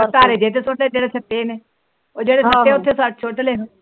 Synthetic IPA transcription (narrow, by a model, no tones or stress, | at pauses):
t̪aːɾeːd͡ʒeːt̪̬eːsoʈeːd͡ʒeːɽeːsət̪ːeːneː | oːd͡ʒeːɽeːsəeʊt̪ʰːeːsaʈt͡ʃʰoːʈ̪leː